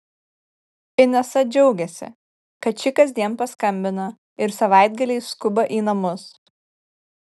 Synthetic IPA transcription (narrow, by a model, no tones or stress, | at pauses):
ɪnʲɛsɐd͡ʒʲɛʊɡʲɛsʲɪ̰ | kɐt̪̚t͡ʃʲɪkɐzʲd̪ʲiɛnpɐskɐmʲbʲɪnɐ | ɪɾsɐʋɑˑɪd̪ʲɡɐlʲɛɪskʊbɐʔiːnɐmʊs